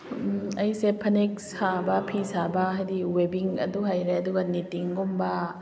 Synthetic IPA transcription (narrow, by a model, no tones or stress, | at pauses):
ɐjsepʰɐnek̚sabɐpʰisabɐɦajdiwebiŋɐ̰duɦajɾeɐduɡɐnitiŋɡombɐ